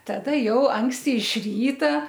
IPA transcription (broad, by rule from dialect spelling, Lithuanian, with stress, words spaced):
tɐˈdɐ ˈjɛʊ ˈɐŋksʲtʲɪ ɪʃ ˈrʲiːtɐ